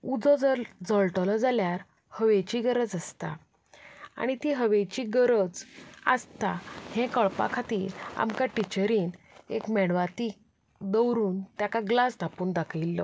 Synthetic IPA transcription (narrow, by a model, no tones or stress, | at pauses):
ud͡zɔd͡zd͡zəɭʈɔlɔd͡zaljaɾ | həʋet͡ɕiɡəɾəd͡zəst̪a̰ | a̰ɽ̃it̪iɦəʋet͡ɕiːɡəɾəd͡za̰st̪ahɛ̃kəɭpa̰kʰat̪iːɾa̰mkaʈit͡ɕəɾiːn | ekmɛɽʋat̪iːk | d̪əwɾuːnt̪jakaɡlast̪ʰapuːnd̪akʰilːɔ